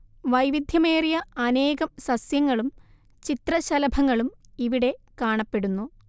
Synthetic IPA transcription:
ʋɐjʋid̪ʱjɐme̞ːrijɐɐne̞ːɣɐmsɐsjɐŋːɐɭum | t͡ɕit̪rɐɕɐlɐbʱɐŋːɐɭumiʋiɽe̞kaːɳɐpːe̞ɽunːu

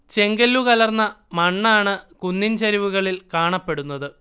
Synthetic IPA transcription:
t͡ɕe̞ŋɡɐlːukɐlɐrnːɐmɐɳːaːɳɨkunːinɕɐɾiʋuɣɐɭilkaːɳɐpːe̞ɽunːɐðɨ

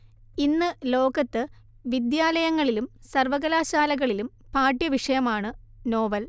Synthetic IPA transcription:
inːɨlo̞ːɡɐt̪ːɨ | ʋid̪jaːlɐjɐŋːɐɭilumsɐrʋɐɣɐlaːɕaːlɐɣɐɭilum | paːʈjɐʋiʂɐjɐmaːɳɨ | no̞ːʋɐl

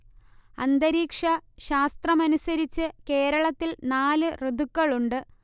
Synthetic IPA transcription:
ɐ̰nd̪ɐɾiːkʂɐɕaːst̪rɐmɐnusɐɾit͡ɕːɨke̞ːɾɐɭɐt̪ːilnaːlɨrɨd̪ukːɐɭuɳɖɨ

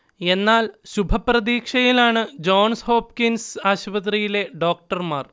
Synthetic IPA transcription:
e̞nːaːlɕubʱɐprɐd̪iːkʂɐjilaːɳɨd͡ʑo̞ːɳsho̞ːpkinsaːɕpɐt̪̬rijile̞ɖo̞ːk̚ʈɐrmaːr

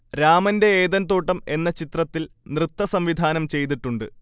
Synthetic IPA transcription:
ɾaːmɐnde̞eːðɐnt̪oːʈːɐme̞nːɐt͡ɕit̪rɐt̪ːilnrɨt̪ːɐsɐmʋid̪ʱaːnɐmt͡ɕe̞jt̪̬iʈːuɳɖɨ

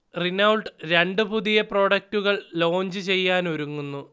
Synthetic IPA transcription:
rinɐwɭʈɨɾe̞ɳɖɨpuðijɐpro̞ːɽɐk̚ʈuɣɐɭlo̞ːɲd͡ʑɨt͡ɕe̞jːaːnoɾuŋːunːu

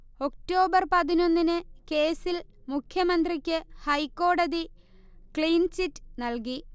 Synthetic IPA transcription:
o̞k̚to̞ːbɐrpɐðino̞nːinɨke̞ːsilmukʰjɐmɐnd̪rikʲːɨhɐjkːo̞ːɽɐði | kɭiːnt͡ɕitːnɐlki

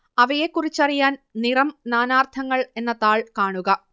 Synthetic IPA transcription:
ɐʋɐjekːurit͡ɕːɐrijaːnnirɐmnaːnaːrt̪ʰɐŋːɐɭe̞nːɐt̪aːɭkaːɳuɣɐ

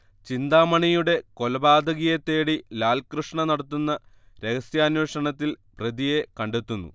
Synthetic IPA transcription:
t͡ɕind̪aːmɐɳijuɽe̞ko̞lɐbaːd̪ɐɣijɐt̪ːe̞ːɽilaːlkrɨʂɳɐnɐɽɐt̪ːunːɐ | ɾe̞ɣɐsjaːnweːʂɐɳɐt̪ːilprɐd̪ijekɐɳɖet̪ːunːṵ

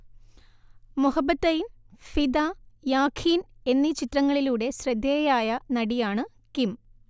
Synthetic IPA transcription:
muhɐbːɐt̪ːɐjin | fid̪aːjaːkʰiːne̞nːit͡ɕitrɐŋːɐɭiluːɽe̞ɕrɐd̪ːeːjaːjɐnɐɽijaːɳɨ | kim

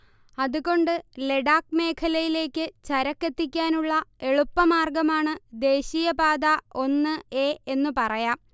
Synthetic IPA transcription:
ɐðuɣo̞ɳɖɨle̞ɽaːkme̞ːkʰɐlɐjile̞ːkːɨt͡ɕɐɾɐkːe̞t̪ːikʲːaːnuɭːɐe̞ɭupːɐmaːrɡɐmaːɳɨd̪e̞ːɕiːjɐbaːd̪ɐʔo̞nːɨeːʔenːupɐrɐjaːm

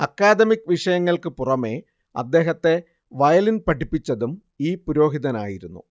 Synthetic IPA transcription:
ɐkːaːd̪ɐmikːʋiʂɐjɐŋːɐɭkɨpurɐme̞ | ɐ̰d̪ːe̞ːɦɐt̪ːe̞ | ʋɐjɐlinpɐʈːipːit͡ɕːɐðum | iːpuɾo̞ːɦiðɐna̰ːjiɾunːṵ

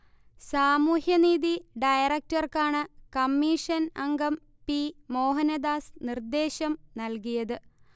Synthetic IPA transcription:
saːmuːhjɐniːðiɖɐjɐrɐk̚tɐrkaːɳɨkɐmːiːʂɐnɐŋɡɐm | pimo̞ːɦɐnɐd̪aːsnird̪e̞ːɕɐmnɐlkijɐðɨ

